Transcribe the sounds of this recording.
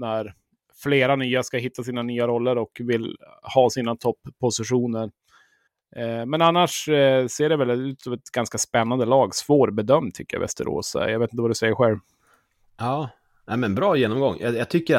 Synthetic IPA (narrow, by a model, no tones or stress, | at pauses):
næɾ | fleːɾanyːaskaɦɪt̪ʰːas̬iːnanyːaɾɔlːəɾɔkvɪlhɑːsiːnat̪ʰɔpʰːʊsɪɧuːnəɾ | mɛnanːaʂseːɖɛvɛlʉ̟ːt̪sɑvɛt̪ɡanskaspɛnːand̪əlɑːɡsvoːɾbɛd̪œmd̪t̪ʰʏ̰kːəja̰vɛ̰st̪ə̰ɾo̰ːsa̰jɑveːt̪nt̪əvad̪ɵsɛjːəɾɧɛlv | ɑː | næmɛnbɾɑːjeːnɔmɡɔŋːjʔajat̪ʰʏkːə